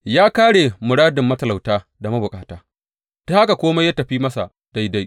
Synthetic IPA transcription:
jaː˦kaː˦ɽeː˨mʊ˨ɽaː˦dɪ˨mːɐ˦tɐ˨la˨wtaː˦ | da˨ma˦bʊ˨kʼaː˨taː˦ | d̥o˦a˦ka˨kʷoː˦ma˦jaː˦tɐ˨ɸiː˦mɐ˦sa̰˨ | da˦jda˦j

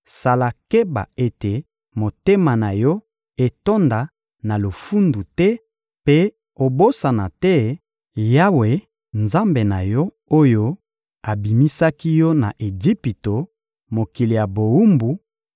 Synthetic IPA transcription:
sa˨la˨ke˦ba̰˨e˦te˨ | mo˨te˦ma˨na˨jɔ˦ | e˨to˦nda˨ | na˨lo˨fu˦ndu˨tɛ˦ | pe˦ | o˨bo˦sa˨na˨tɛ˦ | ja˦we˨ | nza˦mbe˨na˨jɔ˦ | o˦jo˦ | a˨bi˨mi˦sa˦ki˦jɔ˦na˨ʔe˨d͡ʒi˦pi˨to˨ | mo˨ki˨li˨ja˨bo˨u˦mbu˨˦

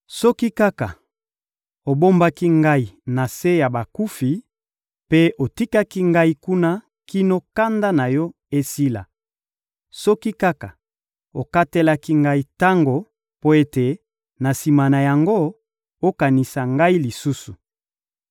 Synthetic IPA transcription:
sɔ˦ki˦ka˦ka˨ | o˨bo˦mba˦ki˦ŋɡa˦i˨na˨se˦ja˨ba˨ku˦fi˨ | pe˦o˨ti˦ka˦ki˦ŋɡa˦i˦ku˦na˦ | ki˦no˦ka˦nda˦na˨jɔ˦ | e˦si˦la̰˨ | sɔ˦ki˦ka˦ka˨ | o˨ka˦te˦la˦ki˦ŋɡa˦i˦ta˦ŋɡo˨ | po˦e˦te˨ | na˨si˨ma˨na˨ja˨ŋɡo˦ | o˦ka˨ni˨sa˨ŋɡa˦i˦li˨su˦su˨

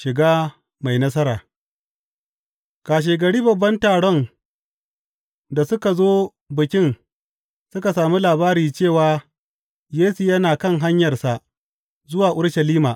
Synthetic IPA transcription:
ʃɪ˨ɡaː˦ | ma˨jnɐ˦sɐ˦ɾaː˨ | kaː˨ʃ̬eː˨ɡɐ˨ɽiː˦bɐ˨bːɐ˦ntaː˨ɽɔ˦n | da˨sʊ˦ka˨zoː˦ | bɪ˨kʲɪ˦n | sʊ˦ka˨saː˨mi˦laː˨baː˦ɾiː˨t͡ʃeː˦˨waː˨ | jeː˦su˨jɐ˦naː˨kɐ˦ŋɦa˦ɲjɐ˨rsa˨ | zʊ˦waː˨ʔʊ˦ɽʃɐ˨liː˦maː˨

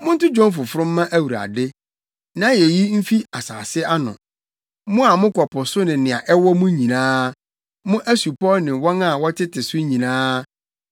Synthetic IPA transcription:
mʊ̃˦n̩˦tʊ˦d͡ʑɔ̃˦nfʊ˨fʊ˦ɾʊ̃˦m̩ː˦ã˦ʔæ˦wu˨ɾa̰˨dɪ˦ | nã˨˦je˨ji˦m̩˦fi˦a˨sa̰ː˨sɪ˦a˦nʊ̰̃˨ | mʊ̃˦a˨mʊ̃˦kʰɔ˨pʰɔ˨sʊ˦nɪ̃˨nɪ̃˨a˨ʔɛ˦wɔ˦mʊ̃˦ɲĩ˨nãː˦ | mʊ̃˦ʔæ˦su˨pʰɔ˦nɪ̃˨wɔ˦nã˦˨wɔ˦tʰɪ˦tɪ˨sʊ˦ɲĩ˨nãː˦

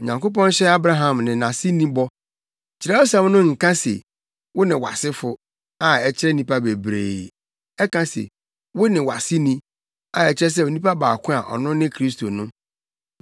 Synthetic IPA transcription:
ɲã˨ŋko˦p̬ɔ̃˦n˦ɕɛ˦a˦bɾa˦ɦã˨mnɪ̃˨nã˨si˦nĩ˦bɔ˦˨ | t͡ɕʰɪ˨ɾɛ˦ɔ˦sã˦mnʊ̃˦ŋ̩˨kã˦sḛ˨ | wʊ˦nɪ̃˨wa̰˨sɪ˦fʊ˦ | a˨ɛ˨t͡ɕʰɪ˦ɾɛ˦˨nĩ˦pa˦be˨bɾḛː˨ | ɛ˦kʰã˦sḛ˨ | wʊ˦nɪ̃˨wa˨sɪ˦nĩ˦ | a˨ɛ˨t͡ɕɪ˦ɾɛ˦s̬ɛ˦o˨nĩ˦pa˦baː˨kʰʊ̃˦a˨ʔɔ̰˨nʊ̃˦nɪ̃˦kʰɾi˦s̬tʰo˨nʊ̃˦

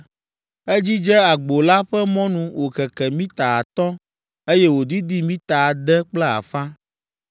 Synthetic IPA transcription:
ɛ˦d͡ʑi˦d͡ʒɛ˦a˨ɡ͡bo˨la˦ɸɛ˦mɔ̃˦nũ˨wʔo˨xɛ˨kɛ˨mĩ˦t̪a˨a˨t̪ɔ̃˦ | e˦jɛ˦wo˨d̪i˦d̪i˦mĩ˦t̪a˨d̪ɛ˦k͡plɛ˦a̰˨fã˦

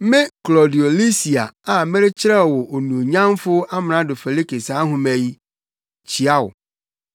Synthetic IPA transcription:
mɪ̃˦klɔ˨di˨o˨li˦si˨a̰˨a˨mɪ̃˦ɾɪ˦t͡ɕʰɪ˦ɾɛ˦˨wɔ˨ʔo˨nũ˨ɲã˦mfʊ˦a˦mɪ̃˨nã˨dʊ˨fɛ˨li˦ke˨saː˨˦ɦʊ̃˨mæ̃˨ji˦ | t͡ɕʰi˨a˦wʊ̰˨

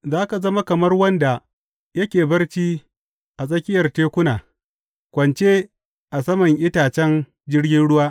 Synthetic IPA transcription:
zaː˦ka˨zɐ˦ma˦kɐ˨mɐ˦rwɐ˦nda˨ | jɐ˦kʲeː˨bɐ˦rt͡ʃiː˦ | ʔa˨s̬ʼɐ˦kʲɪ˦jɐ˨rteː˦kʷʊ˦naː˨ | kʷɐ˨nt͡ʃe˦ | ʔa˨sɐ˦mɐ˨ŋʔɪ˦taː˨t͡ʃɛ˦n | d͡ʒɪ˦rɡʲɪ˦nɽʊ˦waː˦

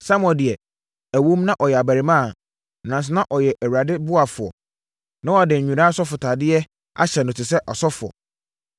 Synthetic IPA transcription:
sa˦mɔ̃˨dɪ˨ɛ˨ | æ˨wũ˦mnã˦ʔɔ˨jɛ˨a˨bæ˨ɾi˨mãː˦˨ | nã˨n˨s̬ɪ˨˦nã˦ʔɔ˨jɛ˨ʔæ˨wɥɾa˨dɪ˦bʊ˦a˨fʊ˨ɔ̰˨ | nã˦wɔ˨dɪ̃˨ɲ̩ᶣ˨ũ˨ɾaː˦sɔ˦fʊ˨tʰaː˨dɪ˦ɛ˦ | a̰˦ɕɛ˨nʊ̃˨tɪ˨sɛ˦ʔɔ˨sɔ˦fʊ˨ɔ̰˨

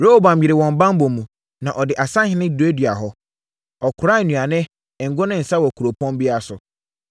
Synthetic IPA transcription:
ɾo˦ho˦bã˨m̩˨jɪ˨ɾɪ˨wɔ̃˨m˨bã˦m˦bõ˨mũ˨ | nã˨ʔɔ˨dɪ˨ʔa˨sã˦hɪ̃˦nɪ̃˦du˨e˦dɥa˨ɦɔ˦ | ɔ˨kʰʊ˨ɾa˦˨nũ˨a˨nɪ̃˦˨ | ŋ̩˨ɡʊ˦nɪ̃˦n̩˨sa˦wɔ˨kʰu˨ɾo˨pʰɔ̃˦m˦bi˦a˦sʊ˨

